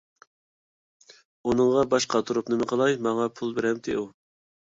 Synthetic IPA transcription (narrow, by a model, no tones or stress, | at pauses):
unɨŋʁɑbɑʃqʰɑt̪ʰuɾupnɨmɨqʰəlˠɑjmɑŋɑpʰulˠbeɾɛmt̪ʰɪ̰u